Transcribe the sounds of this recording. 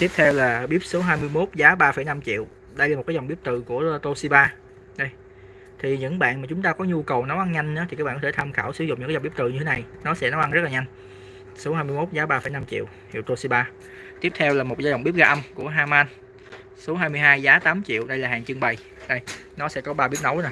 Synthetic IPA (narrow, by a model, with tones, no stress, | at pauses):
t̪i˦˥əp̚t̪ʰɛ˧wlaː˨˩ɓi˦˥p̚so˨˦ɦaː˧jmɨ˧əjmo˦˥t̚zaː˨˦ɓaː˧fə˧˩jna˧mt͡ɕḭ˧˨əw | ɗə˧jla˨˩m̚˨˩kːaː˨˦zɔ˨˩wɓi˦˥p̚t̪ɨ˨˩ku˧˩ət̪o˧si˧ɓaː˧ | ɗə˧j | t̪ʰi˨˩ɲɨ̰˧˥ŋɓa̰ː˧˨nmaː˨˩t͡ɕʊ˨˦ŋ͡mt̪aː˧kɔ˨˦ɲu˧kə˨˩wnɔ˨˦ʔa˧nɲa˧jŋ̟nɨ̰˧˥t̪i˨˩kaː˦˥ɓaː˧˨˧ɔ˦˧˩t̪ʰa˧mxaː˧˩wsɨ̰˧˩˦zʊ̰˧˨ŋ͡mɲ˧˥ka˨˦˨ɓi˦˥p̚t̪ɨ˨˩ɲɨ˧t̪ʰe˨˦na˨˩jnɔ˨˦sɛ̰˧˥nɔ˨˦ʔa˧nzə˦˥t̚laː˨˩ɲa˧jŋ̟ | so˨˦haː˧jmɨ˧əjmo˦˥t̚zaː˨˦ɓaː˧fəː˧˩jna˧mt͡ɕḭ˧˨əw̪ | ḭ˧˨wt̪o˧si˧ɓaː˧ | t̪i˦˥əp̚t̪ʰɛ˧wlaː˨˩mo˨˩t̚zaː˧zɔ˨˩ŋ͡mɓi˦˥əp̚ɣaː˧ʔə˧mku˧˩əɦaː˧maː˧n | su˨˦əɦaː˧jmɨ˧əjɦaː˧jzaː˨˦t̪aː˨˦mt͡ɕḭ˧˨əwɗə˧jlaː˨˩haː˨˩ŋt͡ɕɨ˧əŋɓə˨˩j | ɗə˧jnɔ˨˦sɛ̰˧˥kɔ˨˦ɓaː˧ɓi˦˥p̚no˧˥wn˨˩